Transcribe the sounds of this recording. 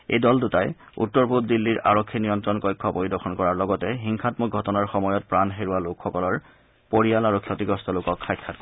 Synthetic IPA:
ḛjdɔltutaj | ṵtːɔɹput̚dilːiɹʔa̰ɹɔkʰːinijɔntɹɔnkɔjkʰːɔpoɹidɔxʰɔnkɔɹaɹlɔɡɔtɛɦiŋkʰatmuk̚ɡʱɔtɔnaɹxɔmɔjɔt̚pɹanɦeɹualokxɔkɔlɔɹ | poɹialaɹukʰjɔtiɡɔstɔlokɔkʰxajkʰːat

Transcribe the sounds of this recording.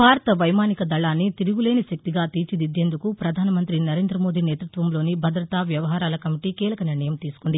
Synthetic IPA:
bʱaːɾɐt̪ɐʋɐjmaːnikɐd̪ɐɭaːnːit̪iɾuɡule̞ːniʃɐk̚t̪iɡaːt̪iːt͡ʃid̪id̪ːe̞ːnd̪ukupɾɐd̪ʱaːnɐmɐnt̪ɾinɐɾe̞ːnd̪ɾɐmoːd̪iːneːt̪ɾut̪ʋɐmlo̞ːnibʱɐd̪ɾɐt̪aːʋjɐʋɐɦaːɾaːlɐkɐmiʈiːkiːlɐkɐniɾɳɐjɐmt̪iːsu̥kuɳɖi

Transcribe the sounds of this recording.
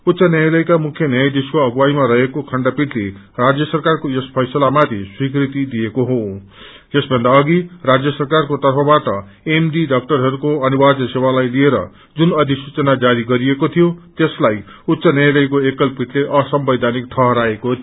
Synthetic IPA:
ut̪ːsʌnjʌjalʌjkamukʰjʌnʌjajd̪eskoʌɡuwajmaɾʌɦekokʰʌɳɖʌpiʈʰle | rad͡zjʌsʌrkarkojespʰʌjsʌlamat̪ʰiswikrit̪id̪iekoɦo | jesbʱʌnd̪aʌɡirad͡zjʌsʌrkarkot̪ʌrpʰʌbaʈʌ | emɖiɖʌk̚ʈʌrɦʌɾukoʌnibad͡zʌsewalajlieɾʌ̰ | d͡zunʌd̪ʱisut͡sʌnad͡zaɾiɡʌɾiekot̪ʰijot̪eslajut̪sʌnʌjalʌjkoekːʌlpiʈleʔʌsʌmbʌjd̪ʱanikʈʰʌɦʌɾaeko

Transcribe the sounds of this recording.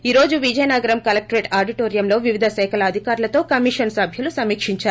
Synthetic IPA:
iːɾo̞ːd͡ʒuʋid͡ʒɐjnaːɡɐɾɐmkɐlɐk̚ʈɾeːʈaːɾɖiʈo̞ːɾijɐmlo̞ːʋiʋid̪ʱɐʃɐjkɐlɐːd̪ʱikaːɾulɐt̪o̞ːkɐmiʂɐnsɐbʱjɐlusɐmiːkʂiɲt͡ʃaːɾu

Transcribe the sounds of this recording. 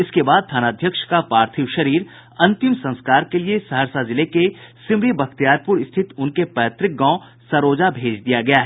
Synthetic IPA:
ɪskebaːd̪̚t̪ʰaːnaːd̪ʱjəkʃkapaːɾt̪ʰiʋʃɐɾiːɾ | ɐ̃nt̪ɪmsɐ̃nskaːɾkeliesɐɦəɾsazɪlekesɪmɾibɐkʰt̪jaːɾpʊɾɪst̪ʰɪt̪ʊnkepɛːt̪ɾɪk̚ɡãːʊ̃ | sɐɾoːd͡ʒabʱeːd͡ʒd̪ijaɡɐjaɦɛ

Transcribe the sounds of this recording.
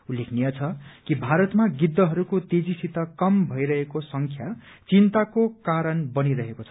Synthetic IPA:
ulːekʰnijʌt͡sʰʌkibʱaɾʌt̪maɡid̪ːʌɦʌɾukot̪ed͡zisit̪ʌkʌmbʱʌjɾʌɦekosʌŋkʰjat͡sint̪akokaɾʌnbʌniɾʌɦekot͡sʰʌ̥

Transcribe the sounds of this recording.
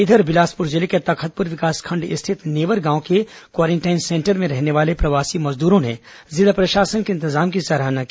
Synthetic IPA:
ɪd̪ʱəɾbɪlaːspʊɾd͡ʒɪleket̪ɐkʰət̪̚pʊɾʋɪkaːskʰɐ̃ɳɖɪ̰st̪ʰɪt̪neːʋəɾɡãːõkekwaːɾẽɳʈaːɪnsẽːɳʈəɾmẽɾɛɦneʋaːlepɾɐʋaːsimɐzd̪uːɾõne | zɪd̪apɾɐʃaːsənkeɪ̃nt̪ɪzaːmkisɐɾaːɦnaki

